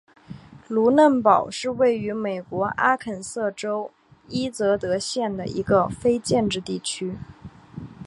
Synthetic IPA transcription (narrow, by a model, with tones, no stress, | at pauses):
lu˧˥nə˥˩npɑ˨˩ʊʂɻ̩˥˧we˥˩ɪy˧˥me˨˩ɪkwɔ˧˥ʔa˥kʰə˨˩nsɤ˥˩ʈ͡ʂo˥ʊ | i˥t͡sɤ˧˥t̪ɤ˧˥ɕjɛ˥˩nd̪ə̰˩ḭ˧˥ɡə˧fe˥ɪt͡ɕjɛ˥˧nʈ͡ʂɻ̩˥˧t̪i˥˩t͡ɕʰy˥